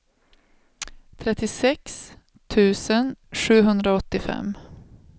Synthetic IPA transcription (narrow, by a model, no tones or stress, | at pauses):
t̪ʰɾɛt̪ːɪsɛks | t̪ʰʉ̟ːsənʂʉ̟ːɦɵnd̪ɾaɔt̪ːɪfɛ̰m